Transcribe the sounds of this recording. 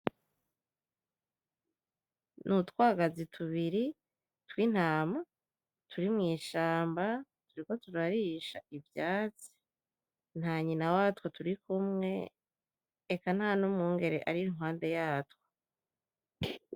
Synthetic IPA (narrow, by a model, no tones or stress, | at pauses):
nʔutwaːɡazitʰuβiɾi | twin̥haːma | tʰuɾimŋiːʃaːmba | tuɾiko̞tuɾaɾiʃa̰ivjaːt͡si̥ | n̥haːɲinawatwotuɾikumŋe̞̰ | ekanhaːnumŋuːŋɡe̞ɾeʔaɾiiŋwaːnde̞jaːtwo̥